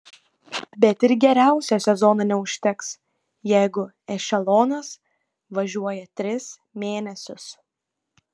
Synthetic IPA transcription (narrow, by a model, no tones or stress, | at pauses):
bʲɛt̪ɪɾɡʲɛɾʲæˑʊsʲɛsʲɛzɔːnɑːnʲɛʊʃʲt̪ʲɛks | jɛɪɡʊ | ɛʃʲɛlˠɔːnɐs | ʋɐʒʲuɔjɛt̪ʲɾʲɪs | mʲeːnʲɛsʲʊs